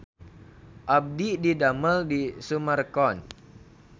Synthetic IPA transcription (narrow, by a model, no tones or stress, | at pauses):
ʔab̚dididaməldisumərkɔn